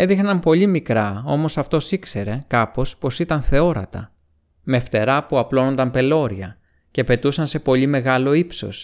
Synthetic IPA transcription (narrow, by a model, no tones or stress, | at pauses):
e̞ðixnɐmpo̞ʎimikɾɐo̞̰mo̞sɐft̪o̞sikse̞ɾe̞kɐpo̞spo̞sit̪ɐnθe̞o̞ɾɐ̰t̪ɐ̰ | meft̪e̞ɾɐpuɐplo̞no̞nd̪ɐmpe̞lo̞ɾiɐ | cepe̞t̪usɐnse̞po̞ʎime̞ɣɐlo̞ipso̞̰s